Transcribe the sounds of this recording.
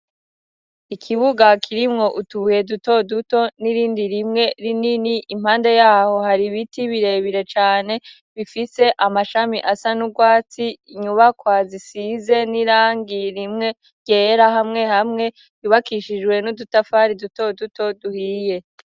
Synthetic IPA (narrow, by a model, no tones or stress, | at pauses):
ikʰiβuɡakʰiɾimŋo̞ʔutuβuje̞duto̞duto̞niɾiːndiɾimŋe̞ɾininiʔimhaːnde̞jaːho̞haɾiβitiβiɾe̞βiɾe̞t͡ʃaːne̞ | βifise̞ʔamaʃamiʔasanuɡwaːt͡siɲuβakwaːzisize̞niɾaːŋɡiɾimŋe̞ | ɟ̥e̞ːɾahamŋe̞hamŋe̞ | juβakiʃid͡ʒɡwe̞nudutafaɾiduto̞duto̞duhiːje̞